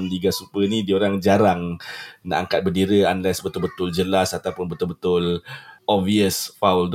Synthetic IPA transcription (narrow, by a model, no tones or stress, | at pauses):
mdiɡasupənidioɾaŋd͡ʒaɾaŋna̰ʔa̰ŋkat̪̚bəndiɾəanlɛsbət̪ʊlbət̪ʊld͡ʒəlasat̪awpʊnbət̪ʊlbət̪ʊlɔviəsfauld